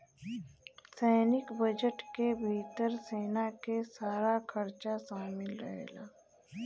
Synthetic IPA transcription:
sɛːnɪkbəd͡ʒəʈkebʱiːt̪əɾseːnakesaːɾakʰɐɾt͡ʃasaːmɪlɾə̰ɦḛːla̰ː

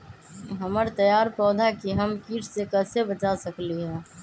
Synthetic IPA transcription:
ɦəməɾt̪əjaːɾpɾɔːd̪ʱakiɦəmkiːʈʰsekɛːsebət͡ʃasəkliɦɛ̃ː

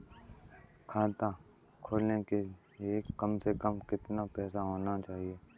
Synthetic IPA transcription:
kʰaːt̪a | kʰoːlneke | liekɐmsekəmkɪt̪napɛːsaɦoːnat͡ʃaːɦieː

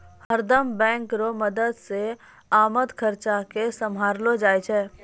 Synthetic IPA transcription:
həɾd̪əmbɛ̃ːŋkɾoməd̪əd̪se | aːməd̪kʰəɾt͡ʃakesɐmɦaːɾlod͡ʒaːet͡ʃʰɛː

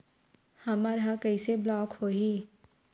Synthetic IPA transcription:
hɐmaːɾɦakɐiseblɔːkhoɦiː

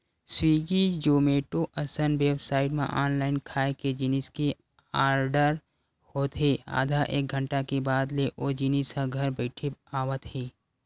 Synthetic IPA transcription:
swiːɡid͡ʒoːmeːʈoʔəsənweːbsaːɪʈmḛ̃ʔaːnlaːɪnkʰaːeked͡ʒiniske | aːɾɖəɾ | hoːt̪ɦeːa̰ːd̪ʱaʔḛːk̚ɡʱə̃ɳʈakebaːd̪leʔoːd͡ʒinisãɡʱəɾbəɪʈʰiaːwət̪ɦeː

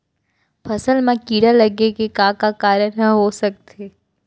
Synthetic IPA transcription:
pʰɐsəlmãkiːɽalɐɡekekaːkakaːɾjəɾəɦɦosɐk̚t̪eː

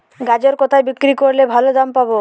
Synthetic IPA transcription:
ɡad͡ʒoɾkɔt̪ʰajbikɾikoɾlebʱalod̪ampabo

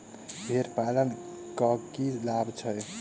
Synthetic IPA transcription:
bʱeɾpalən | kɔkid͡ʒlabt͡ʃʰʌj

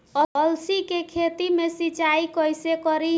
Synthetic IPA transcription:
əəlsikekʰet̪imesit͡ʃaikəjsekəɾi

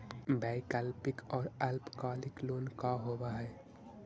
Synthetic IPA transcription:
baːɪkəlpɪkɔːɾəlpkaːlɪkloːnkaɦoːbaɦɛː

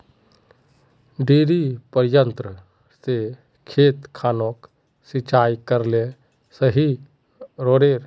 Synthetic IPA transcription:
ɖiːɾipəɾjənt̪ɾə | se | kʰeːt̪kʰaːnok | sit͡ʃaːjkəɾle | səɦi | ɾoːɽeːɾ

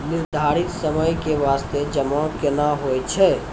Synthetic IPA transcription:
nɪɾd̪ʱaːɾɪt̪səməjkeʋaːst̪ed͡ʒəmãkɪnaɦoɛt͡ʃʰɛ

